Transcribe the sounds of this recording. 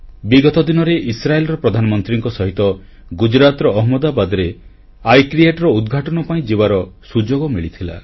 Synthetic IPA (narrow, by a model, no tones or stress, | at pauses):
biɡɔt̪ɔd̪inɔɾeʔisɾaelɔɾɔpɾɔd̪ʱanɔmɔnt̪ɾiŋkɔsɔɦit̪ɔ | ɡud͡ʒɾat̪ɾɔːɦmɔd̪abad̪ɔɾe | ajkɾieʈɔɾɔud̪ɡʱaʈɔnɔpaĩd͡ʒibaɾɔsud͡ʒoɡɔmiɭit̪ʰila̰